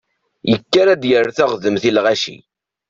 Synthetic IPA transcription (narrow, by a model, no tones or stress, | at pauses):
jəkːaɾæd̪jəɾːθæʁðəmθilʁaʃḭ